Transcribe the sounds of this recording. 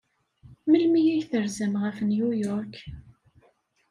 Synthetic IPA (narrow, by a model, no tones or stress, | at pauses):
məlmijiçθəɾzəmʁəfənjujɔɾk